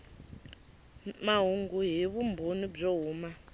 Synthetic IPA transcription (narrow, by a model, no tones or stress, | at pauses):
maɦuŋɡuɦiβumbʱonib͡ʐoɦuːma